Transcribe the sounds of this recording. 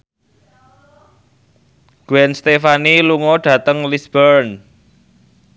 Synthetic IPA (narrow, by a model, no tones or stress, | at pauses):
ɡ̥wɛnst̪efaniluŋɔɖ̥ä̤t̪əŋlisb̥əɾn